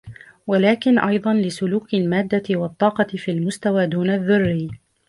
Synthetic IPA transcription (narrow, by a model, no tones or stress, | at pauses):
walaːkɪnʔɑjd̪ˤɑnlɪsʊluːkɪlmaːd̪ːaɪwɑt̪ˤːɑːqɑɪfiːlmʊst̪awaːd̪uːnaðːʊrːiː